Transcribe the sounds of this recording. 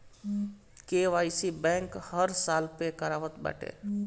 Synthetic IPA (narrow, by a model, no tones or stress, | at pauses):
keʋajsibɛ̃ŋkhəɾsaːlpekəɾaːʋət̪bɛ̰ːʈʰḛ